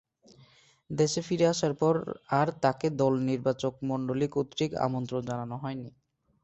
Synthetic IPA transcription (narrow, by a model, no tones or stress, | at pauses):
d̪eʃefiɾeaʃaɾpɔɾaɾt̪aked̪ɔlniɾbat͡ɕok̚mɔɳɖolikot̪ɾika̰mont̪ɾod͡ʑananoɦɔeni